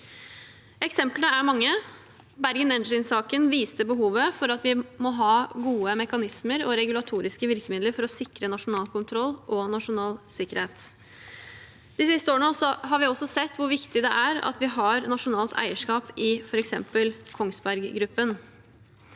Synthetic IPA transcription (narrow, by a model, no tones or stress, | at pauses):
ɛksɛmpləəæɾmɑŋːə | bæɾɡənɛnəɪnsɑːkənʋiːst̪əbəɦuːʋəfɔɾɑt̪ʋɪmɔɦɑːɡuːəmɛkɑnɪsməɾɔɾɛɡʉlɑt̪ʰuːɾɪskəʋɪɾkəmɪd̪ləɾfɔɾɔsɪkɾənɑʂʊnɑːlkʊnt̪ʰɾɔlːʔɔnɑʂʊnɑːlsɪkːəɾheːt̪ | d̪̥ɪsɪst̪əoːɳəsɔɦɑɾʋɪɔsːɔsɛt̪ːʋʊɾʋɪkt̪ɪd̪ɛʔæɾɑ̰t̪ʋɪɦɑɾnɑʂʊnɑːlt̪ʰæ̰ɪəʂkɑːpɪfɔɾɛksɛ̰mpəlkʰɔŋsbæɾɡɡɾʉpːən